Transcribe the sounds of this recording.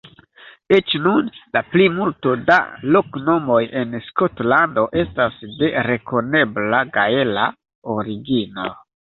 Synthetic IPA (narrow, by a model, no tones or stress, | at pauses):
et͡ʃnunlaplimulto̞da̰lo̞kno̞mo̞je̞nsko̞tlando̞ʔe̞stasde̞ɾe̞ko̞ne̞blaɡae̞la | oɾiɡino̰